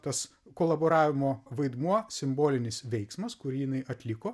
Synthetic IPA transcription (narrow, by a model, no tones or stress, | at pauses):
t̪ɐs | koːlˠɐboːɾɑːʋʲɪmoːʋɐɪd̪muɔsʲɪmboːlʲɪnʲɪsʋʲɛɪksmɐskʊɾʲjɪnɐɪʔɐt̪ʲlʲɪkoː